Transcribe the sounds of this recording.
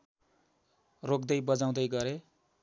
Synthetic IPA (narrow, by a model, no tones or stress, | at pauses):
rok̚d̪ʌjbʌd͡zaw̃d̪ʌjɡʌɾe